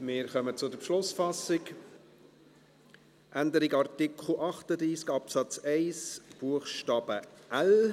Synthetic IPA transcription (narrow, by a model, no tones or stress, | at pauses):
mɪɾχœmət͡sʊdəɾpʃlʊsfɑsɪk | ʔænd̪əɾɪɡɑɾt̪ɪkʰl̩ʔɑχtəd̪ɾiːskɑpsɑt͡sɛɪsb̥uːəχʃtɑːb̥əʔæl